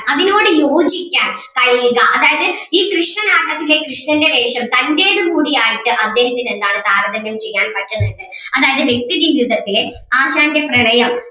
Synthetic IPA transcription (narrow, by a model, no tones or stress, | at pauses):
ɐðino̞ːɽɨjo̞ːd͡ʑikʲːaːn | kɐɻijɣɐʔɐðaːjɐðɨ | iːkrɨʂnɐnaːʈːɐt̪ːile̞krɨʂnɐnde̞ʋeːʂɐmt̪ɐnde̞ːɽɨmuːɽijaːjiʈːɨʔɐd̪ːe̞ːhɐt̪ːine̞nd̪aːɳɨd̪ʱaːɾɐðɐmjɐmt͡ɕe̞jːaːnpɐʈːɐnːeɳɖɨɐðaːjɐðɨʋje̞k̚t̪iðiʋud̪ʱɐt̪ːile | aːɕaːnde̞prɐɳɐjɐm